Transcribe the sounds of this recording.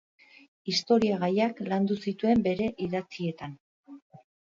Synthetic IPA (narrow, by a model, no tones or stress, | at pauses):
ist̪o̞ɾiaɣajakland̪usit̪ue̞mbe̞ɾe̞ʔiðat͡sie̞t̪an